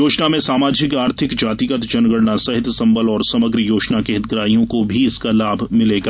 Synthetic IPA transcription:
joːd͡ʒnamẽsaːmaːd͡ʒɪkaːɾt̪ʰɪkd͡ʒaːt̪iɡət̪d͡ʒɐnɡəɽnasɐɦɪt̪sɐ̃mbəlɔːɾsɐməɡɾəjoːd͡ʒnakeɦɪt̪̚ɡɾaːijõkobʱiɪskalaːbʱmɪleːɡaː

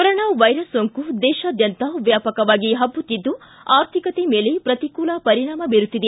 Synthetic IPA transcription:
pɔɾɔɳaʋɐjɾɐsoŋkud̪ɛːʃaːd̪jɐnt̪ɐʋjaːpɐkɐʋaːɡiɦɐbːut̪ːid̪ːuaːɾt̪ʰikɐt̪emeːlepɾɐt̪ikuːlapɐɾiɳaːmɐbiɾut̪ːid̪e

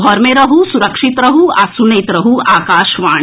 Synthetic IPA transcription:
ɔɾmeɾɐɦusuɾɐkʂit̪ɾɐɦuasunɐjt̪ɾɐɦuaːkaːʃʋaːɳ̃

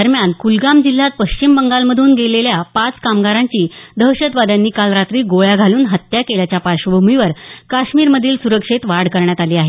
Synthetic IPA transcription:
əɾmjankulɡamd͡ʑil̤ːat̪̚pəɕt͡ɕimbəŋɡalməd̪ʱuːnɡeleljapat͡skamɡaɾaɲt͡ɕiːd̪ʱəwɕəd̪ʋad̪anːiːkalɾat̪ɾiːɡoɭjaɡʱaluːnɦət̪jakeljat͡ɕjapaɾɕəbʱumiʋəɾkaɕmiːɾməd̪ʱiːlsuɾəkʂet̪ʋaɽkəɾɳjat̪aliːaɦe

